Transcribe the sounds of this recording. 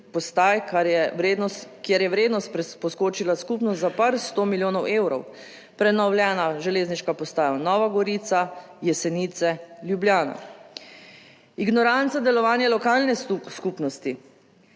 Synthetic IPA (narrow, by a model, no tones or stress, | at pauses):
pɔst̪aːjkaɾjɛwɾed̪nɔst̪kjeɾjɛʋɾeːd̪nɔst̪ɾɛpɔskoːt͡ʃilaskupnɔst̪zapaɾst̪oːmiljoːnɔwʔeːwɾɔ̰w | pɾɛnɔwljɛːnaʒɛleːzniʃkapɔst̪aːjanɔːʋaɡɔɾit̪sa | jɛsɛniːt̪sɛljubljaːna̰ | iɡnɔɾant̪sad̪ɛlɔʋaːnjɛlɔkaːlnɛskuːpnɔst̪i